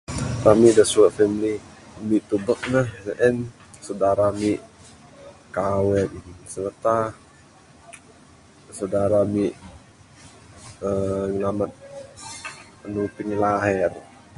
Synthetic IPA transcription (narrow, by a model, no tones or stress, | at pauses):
t̪amidahsuafɛmili | miʔt̪ubək̚nahzəʔɛn | sadaɾamiʔ | kawɛt̪inisərt̪a | sadaɾamiʔ | əŋəlamat̪̚ | ənupiŋlaɦɛr